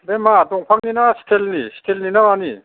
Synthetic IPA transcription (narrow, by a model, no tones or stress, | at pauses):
bemadɔŋpʰaŋninasi̥tʰelnistʰelninamani